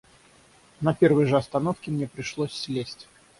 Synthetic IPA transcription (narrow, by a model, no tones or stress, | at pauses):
nɐpʲervɨjʐəɐst̪ɐnofkʲɪmnʲepɾʲɪʂlˠosʲːlʲesʲtʲ